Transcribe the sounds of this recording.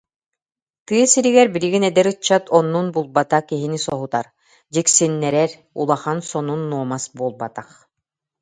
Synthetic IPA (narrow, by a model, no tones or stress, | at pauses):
t̪ɯɐsiɾiɡɛɾbiɾiɡinɛd̪ɛɾɯt͡ɕːat̪ʰɔnːunbulˠbat̪aχkiɦinisɔɦut̪aɾ | d͡ʑiksinːɛɾɛɾ | ṵlˠaχansɔnunːuɔmasbuɔlˠbat̪aχ